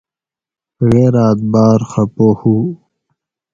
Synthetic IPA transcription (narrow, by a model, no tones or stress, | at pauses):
ɣeːɾaːt̪̚baːɾxɐpoːhuː